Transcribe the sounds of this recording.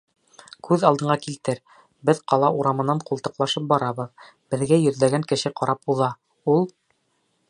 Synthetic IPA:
kʰʉðɑlˠd̪ɤ̆ɴɑkilt̪ɘɾ | bɘðqɑlˠɑʔuɾɑmɤ̆nɑɴqulˠt̪ɤ̆qlˠɑʃɤp̚bɑɾɑβɤð | b̥ɘ̆ðɡæjɵ̆ðlæɡæŋkɘ̆ʃɘqɑɾɑpuðɑ | ulˠ

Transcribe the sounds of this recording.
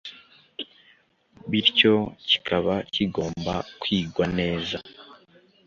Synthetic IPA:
βiɾco̞ci̥kʰaβaciɡo̞ːmba̰kwiːɡwane̞ːza

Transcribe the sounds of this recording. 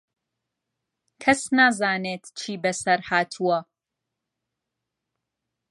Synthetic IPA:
kʰɐsnaːzaːneːt̪t͡ʃʰiːbɐsɐɾhaːt̪ʰuɐ

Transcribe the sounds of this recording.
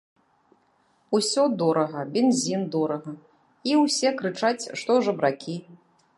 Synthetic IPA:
usʲɔd̪ɔɾɐɣɐbʲɛnzʲind̪ɔɾɐɣɐ | iwsʲɛkɾɨt͡ʂat͡sʲʂt̪ɔʐɐbɾakʲi

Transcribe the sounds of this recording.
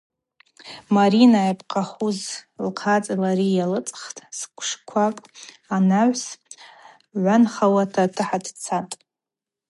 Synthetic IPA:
maɾinajapʰʼqʰaχuzlqʰat͡sʼalaɾijalɨt͡sʼχtʼskʷʰʂkʷʰakʼ | anaʕʷs | ʕʷanχawatʰatʰɨħadt͡sʰatʼ

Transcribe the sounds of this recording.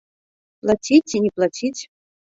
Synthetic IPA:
plˠatʲitʲinʲiplˠatʲitʲ

